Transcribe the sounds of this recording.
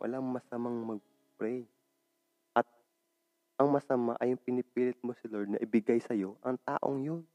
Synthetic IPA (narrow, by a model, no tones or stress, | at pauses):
wʔɐ̰laŋmɐsɐmaŋmɐɡ̚ | pɾɛj | ʔɐt̪̚ | ʔɐŋmɐsɐma̰ʔɐjʊŋpɪnɪpiːlɪt̪̚mosɪloɹd̪nɐʔɪbɪɡajsɐjo̞ʔɐŋt̪a̰ːʔo̰ŋjon